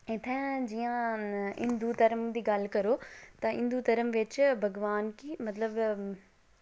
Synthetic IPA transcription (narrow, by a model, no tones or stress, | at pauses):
ɪ̃t̪ʰɛ̃d͡ʑiːãɪ̰̃nd̪ut̪ɐɾəmd̪iːɡaːl̤kɐɾot̪ɐɪ̰̃nd̪ut̪ɐɾəmʋɪt͡ɕbʱɐɡʋaːnkʰiːmɐt̪ləb